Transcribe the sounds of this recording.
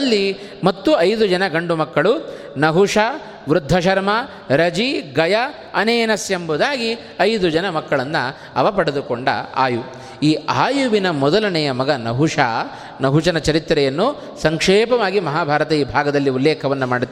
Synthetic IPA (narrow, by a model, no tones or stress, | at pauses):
ɐlːi | mɐt̪ːuɐjd̪ud͡ʒɐnɐɡɐɳɖumɐkːɐɭu | nɐɦuʂa | ʋɾud̪ʱːɐʃɐɾmɐ | ɾɐd͡ʒiɡɐjɐ | ɐneːnɐsjembud̪aːɡi | ɐjd̪ud͡ʒɐnɐmɐkːɐɭɐnːɐ | ɐ̰ʋɐpɐɽed̪ukoɳɖɐ̰a̰ːju | iːaːjuʋinɐmɔd̪ɐlɐnɛjɐmɐɡɐnɐɦuʂa | nɐɦuʂɐnɐt͡ʃɐɾit̪ːɾɛjɐnːu | sɐŋkʂeːpɐʋaːɡimɐɦaːbʱaːɾɐt̪ɐiːbʱaːɡɐd̪ɐlːiulːeːkʰɐʋɐnːumaːɽit̪ː